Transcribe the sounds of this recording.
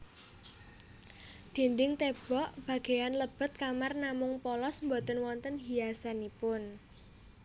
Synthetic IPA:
d̪̥i̤nd̪ɪŋt̪eb̥ɔʔb̥a̤ɡ̥e̤janləb̥ə̤t̪̚kamarnamʊŋpɔlɔsmbot̪ənwɔnt̪ənɦijasanipʊn

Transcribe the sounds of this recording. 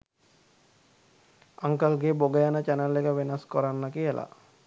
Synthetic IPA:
aŋkəlɡeboɡəjanət͡ʃænəlːekəʋenaskɔɾanːakijəlʔa̰

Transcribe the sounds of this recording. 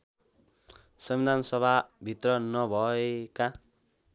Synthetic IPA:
sʌmbid̪ʱansʌbʱabʱit̪rʌnʌbʱʌeka

